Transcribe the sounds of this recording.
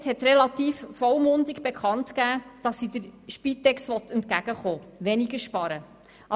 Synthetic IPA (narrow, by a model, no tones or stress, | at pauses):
thɛt̪ɾɛlɑtiːffɔlmʊndɪɡb̥ekʰɑntkæːd̥ɑsːid̪əɾʃpit̪ːɛksʋɔt̪ɛntkæɡ̥əχoːʋɛniɡəɾʃpɑɾə | ʔɑ